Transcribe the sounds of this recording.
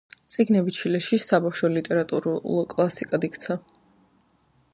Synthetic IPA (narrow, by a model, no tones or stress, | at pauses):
t̪sʼiɡnɛbit͡ʃʰilɛʃisabafʃɔlit̪ʼɛɾat̪ʼuɾulˠɔkʼlˠasikʼad̪ikt̪sʰa